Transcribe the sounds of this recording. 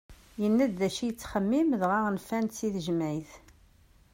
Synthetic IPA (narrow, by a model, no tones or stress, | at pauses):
jənːæd̪ðæʃijət͡sːχəmːimðʁaʁnfænt̪siðʒmæjθ